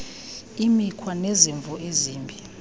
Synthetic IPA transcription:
imikʰwaneziɱvʱɔʔeziːmbʱi

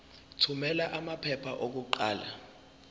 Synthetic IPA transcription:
tʰumɛlaʔamapʰɛpʰaʔok̬uǃa̰ːla̰

